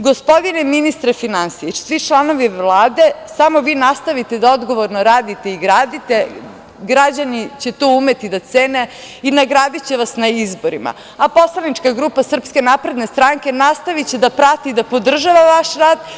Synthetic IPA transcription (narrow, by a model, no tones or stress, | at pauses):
ɡo̞spo̞d̪ineminist̪ɾefinansiesʋit͡ʃlˠano̞ʋiʋlˠaːd̪e̞samo̞ʋiːnast̪aʋit̪ed̪ao̞d̪ɡo̞ʋoɾnoɾaːd̪it̪e̞iɡɾaːd̪it̪e | ɡɾad͡ʑanit͡ɕe̞t̪oumet̪id̪at̪seːne | inaɡɾaːd̪it͡ɕeʋasnaizbo̞ɾḭma̰ | apo̞slˠanit͡ʃkaɡɾuːpasr̩pske̞napɾe̞d̪ne̞st̪ɾaŋke̞nast̪aʋit͡ɕed̪apɾat̪id̪apo̞d̪r̩ʒaʋaʋaʃɾaːd̪